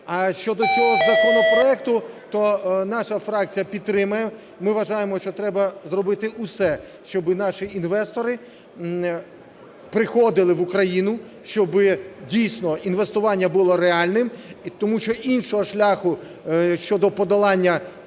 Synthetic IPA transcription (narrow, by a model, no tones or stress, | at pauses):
ɐʃt͡ʃɔd̪ɔt͡sʲɔɦɔzɐkɔnɔpɾɔɛkt̪ʊt̪ɔnɑʃɐfɾɑk̚t͡sʲijɐpʲid̪t̪ːɾɪmɐjɛ | mɪʋɐʒɑjemɔʃt͡ʃɔt̪ɾɛbɐzɾɔbɪt̪ɪʔʊsɛ | ʃt͡ʃɔbɪnɑʃiinʋɛst̪ɔɾɪ | pɾɪxɔd̪ɪlˠɪʋʊkɾɐjinʊ | ʃt͡ʃɔbɪdʲijsʲnɔinʋest̪ʊʋɑnʲːɐbʊlˠɔɾeɑlʲnɪmt̪ɔmuʃt͡ʃɔʔinʃɔɦɔʃlʲaxʊ | ʃt͡ʃɔd̪ɔpɔd̪ɐlˠɑnʲːɐ